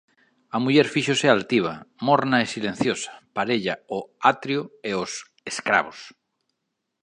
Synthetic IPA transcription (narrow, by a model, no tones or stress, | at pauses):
amuʎeɾfiʃosealt̪iβ̞a̰moɾnaesilen̟θjosḁpaɾeʎaoat̪ɾjoeos | eskɾa̰β̞os